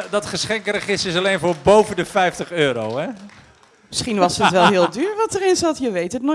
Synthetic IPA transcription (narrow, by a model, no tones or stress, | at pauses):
dɔtχəsχɛŋkrəχɪstɪsɑlejnvʊːɹbowvəndəfɛjftəχøːɾowɛ | məsχinʋɑsətʋɛlˠɦɪːlˠdyːɹʋɑtərɪnsɑtjəʋejtətnɔ